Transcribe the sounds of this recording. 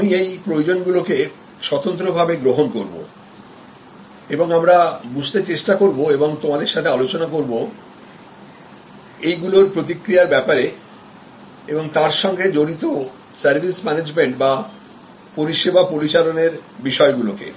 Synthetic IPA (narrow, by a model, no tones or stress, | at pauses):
miejpɾojod͡ʑonɡuloke | ʃɔt̪ont̪ɾobʱabeɡɾoɦonkoɾbo̰ | eboŋamɾabud͡ʑʱt̪et͡ɕeʃʈakoɾboeboŋt̪omad̪eɾʃat̪ʰealot͡ɕonakoɾbo | ejɡuloɾpɾot̪̬ikɾijaɾbɛpaɾe | eboŋt̪aɾʃɔŋɡed͡ʑoɾit̪o | saɾbʱismɛned͡ʑmeɳʈba | poɾiʃebapoɾit͡ɕaloneɾbiʃɔeɡulokḛ